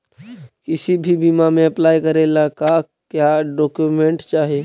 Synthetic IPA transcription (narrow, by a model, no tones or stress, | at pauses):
kɪsibʱibʱiːmamẽɐplaːjkəɾelaka | kjaɖɔːkjumẽɳʈt͡ʃaːɦeː